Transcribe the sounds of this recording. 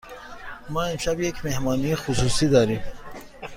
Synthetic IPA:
maimʃabjekmehmɑːnixʊsusid̪ɑɾi

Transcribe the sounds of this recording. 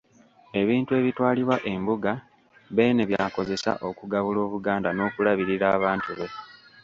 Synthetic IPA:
e̞βiːntue̞ːβitwaːliβwaʔe̞mbuɡa | βe̞ːne̞βjaːko̞ze̞sa̰ʔo̞kuɡaβulo̞ːβuɡaːndano̞ːkulaβiɾiɾaːβaːntuβe̞

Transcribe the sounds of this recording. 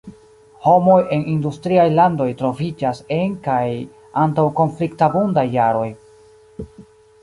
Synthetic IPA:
ho̞mo̞je̞nindustɾiajlando̞jtɾo̞vid͡ʒase̞ŋkaj | antawko̞nfliktabundajːaɾo̞j

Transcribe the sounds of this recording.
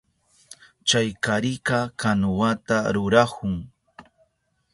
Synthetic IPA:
t͡ʃajkaɾɪkɑkanʊwat̪aɾʊɾahʊŋ

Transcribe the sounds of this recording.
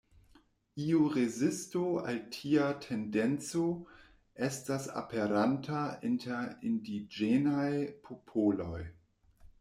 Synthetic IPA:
iuɾezɪstoa̰ltʰiatʰendent͡so | estasa̰pʰeɾantʰainteɾindid͡ʒenajpʰopʰolo̞̰j

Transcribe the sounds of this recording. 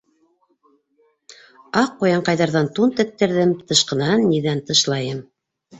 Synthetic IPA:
ɑq̚ːujɑɴqɑjðɑɾðɑnt̪unt̪ɘ̆k̚t̪ːɘ̆ɾðɘmt̪ɤ̆ʃqɤ̆nɑnːiðænt̪ɤ̆ʃlˠɑjɤm

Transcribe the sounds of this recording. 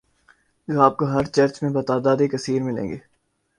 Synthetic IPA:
d͡ʒoaːp̚koɦɐɾt͡ʃɐɾt͡ʃmẽbɐt̪aːd̪aːd̪ikɐsiːɾmɪlḛ̃ːŋɡeː

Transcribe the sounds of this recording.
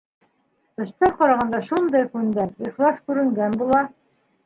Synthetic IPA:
tɤ̆ʃt̪ɑɾqɑɾɑʁɑnd̪ɑʃund̪ɑjkʉnd̪æiχlˠɑskʉɾɘ̆ŋɡænbulˠɑ

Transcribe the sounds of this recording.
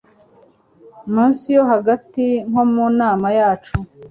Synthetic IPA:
muːnsijo̞ɦaɡatiŋ̥ho̞munaːmajaːt͡ʃu

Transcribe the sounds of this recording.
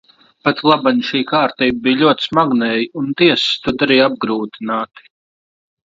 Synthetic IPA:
pat̪lˠabaɲʃiːkaːɾt̪iːbbiːjlʲuɔt̪ʲsmaɡnɛːjiunt̪iɛst̪ud̪aɾiːab̚ɡɾuːt̪inaːt̪i̥

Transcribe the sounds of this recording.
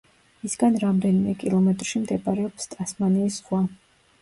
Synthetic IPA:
isɡanɾamd̪ɛnimɛkʼilˠɔmɛt̪ʼɾʃimd̪ɛbʼaɾɛɔpst̪ʼasmaniːsχwa

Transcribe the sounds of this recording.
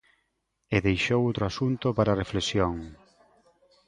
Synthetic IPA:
eðejʃowowt̪ɾoasunt̪opaɾareflesjoŋ

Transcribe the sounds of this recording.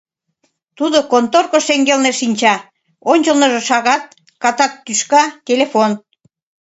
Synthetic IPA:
t̪ud̪okont̪orkoʃeŋɡelneʃinʲt͡ɕɑ | onʲt͡ɕəlnəʒĕʃɑɣɑt̪̚ | kɑt̪ɑk̚t̪ːyʃkɑt̪ʲelefon

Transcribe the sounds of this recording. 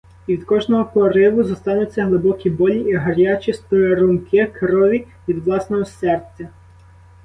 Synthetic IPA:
ʋʲid̪kɔʒnɔɦɔpɔɾɪʋʊzɔst̪ɑnʊt͡sʲːɐɦlˠɪbɔkʲibɔlʲiʔiɦɐɾʲat͡ʃist̪ɔeɾʊmkɪɐkɾɔʋʲi | ʋʲid̪ʋlˠɑsnɔɦɔsɛrtt͡sʲːɐ

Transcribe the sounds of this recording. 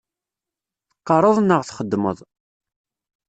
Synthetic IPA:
θə̥qːɑɾˤəðˤnəʁθχəd̪ːmə̰ðˤ

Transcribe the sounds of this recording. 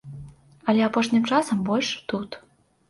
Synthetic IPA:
ɐlʲɛapɔʂnʲɨmt͡ʂasɐmbɔlʲʂt̪ut̪

